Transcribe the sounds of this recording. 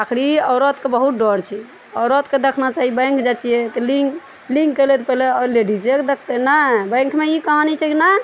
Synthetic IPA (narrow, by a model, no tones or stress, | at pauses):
akʰɾiɔʊɾət̪kebəɦut̪̚ɖɔɾt͡ʃʰi | ɔʊɾət̪ked̪ekʰnat͡ʃaɦibə̃j̃ŋkʰd͡ʒat͡ʃijet̪ɔliɡ | liŋɡkːelet̪pɛɦleɔleɖiseked̪ekʰt̪enəbə̃j̃ŋkʰmeikəɦanit͡ʃʰɛkina